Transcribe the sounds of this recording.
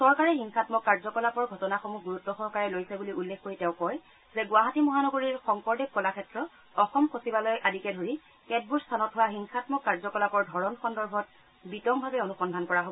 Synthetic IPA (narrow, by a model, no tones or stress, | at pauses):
sɔɹkaɹɛxiŋxatmɔkːaɹzɔkɔlapɔɹɡʱɔtɔnaxomuɡuɹutːɔsɔɦkaɹɛlojsɛbuliulːexkoɹitɛʊ̃kɔj | zɛɡʊaɦatimɔɦanɔɡoɹiɹxɔŋpɔɹdɛk̚kɔlakʰɛtɹɔ | ɔxɔmxosibalɔjʔadikɛdʱoɹi | kɛd̚buɹstʰanɔtɦʊwaxiŋxatmɔkːaɹzɔkɔlapɔɹdʱɔɹɔnxɔndɔɹbʱɔt̚ | bitɔmbʱabɛonuxɔndʱankɔɹaɦobɔɔ